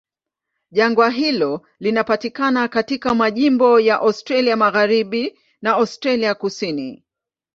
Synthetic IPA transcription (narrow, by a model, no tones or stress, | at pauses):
ʄaŋɡwaɦilɔ | linapatikanakatikamaʄimbɔjaʔastɾaliamaɣaɾiɓi | naastɾaliakusini